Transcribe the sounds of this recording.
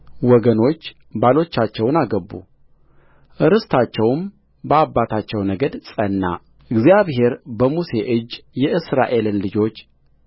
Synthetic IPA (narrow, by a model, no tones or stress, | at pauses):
wɔɡəno̞t͡ʃː | balo̞t͡ʃːat͡ʃːɛwnaɡəbːṵ | ʔɨɾɨst̪ʰat͡ʃːɛwm | bəabːat̪ʰat͡ʃːɛwnəɡəd̪sʼənːa̰ | ʔɨɡzijaβɦe̞ɾbəmuse̞ʔɨd͡ʒːjɛɨsɾa̰ʔe̞lɨnlɨd͡ʒo̞t͡ʃː